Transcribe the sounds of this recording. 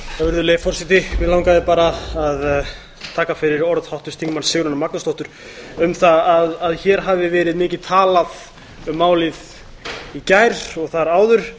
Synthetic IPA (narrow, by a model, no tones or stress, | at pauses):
θavɪɾðʏleːjfɔrsɪt̪ɪvɪðlaːwŋkaðɪpaːɾaað | t̪ʰaːkafɪɾɪɾɔɾðhawht̪ʏ̥st̪iŋkmansɪɣɾʏnamaknast̪ɔht̪ʏɾ̥ | ʏmθaaðaðçɛːɾ̥ɦavvɪvɛːɾɪðmɪːcɪðt̪ʰaːlað | ʏmːaːwlɪð | icajɾ̥ɔɣθaɾaːwðʏɾ̥